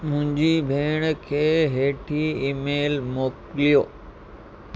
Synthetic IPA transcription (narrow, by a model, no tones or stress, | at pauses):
mʊ̃ɦɪ̃ɲd͡ʑibʱeːɽ̃kʰeːɦeːʈʰiimeːlmoːklijoː